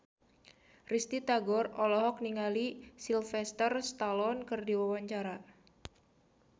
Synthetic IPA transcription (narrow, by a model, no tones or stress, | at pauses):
rist̪it̪aɡɔrɔlɔɦɔk̚niŋalisilfɛst̪ərst̪alɔnkɨrdiwawaɲt͡ʃaɾa